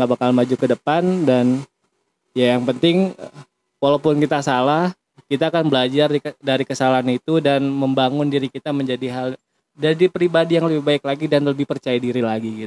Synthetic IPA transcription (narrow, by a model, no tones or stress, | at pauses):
ŋɡabakalmad͡ʒukədəpandan | jajaŋpənt̪ɪŋ | kwalawpʊnkit̪asalah | kit̪aːkanbəlad͡ʒaridaɾikəsalaɦanit̪udanməmbaŋʊndiɾikit̪aməɲd͡ʒadiɦal | dadipɾibadijaŋləbɪhbaɪk̚laɡidanləbɪhpərt͡ʃajadiɾilaɡiɡit̪